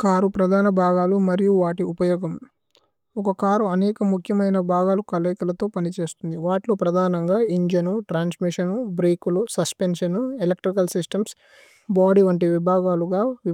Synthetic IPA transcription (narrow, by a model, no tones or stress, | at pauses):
kaːɾupɾɐd̪ʱaːnɐbʱaːɡaːlumɐɾijuʋaːʈiupɐjɔːɡɐm | ɔkɐkaːɾuɐnɛːkɐmukʰjɐmɐjnɐbʱaːɡaːlukɐlɐjkɐlɐt̪o̞ːpɐnit͡ʃe̞ːst̪und̪iʋaːʈilo̞ːpɾɐd̪ʱaːnɐŋɡaːiɲd͡ʒɐnuʈɾaːnsmiʂɐnubɾiːkulusɐspenʂɐnuelek̚ʈɾikɐlsisʈɐms | baːɽiʋɐɳʈiʋibʱaːɡaːluɡaːʋi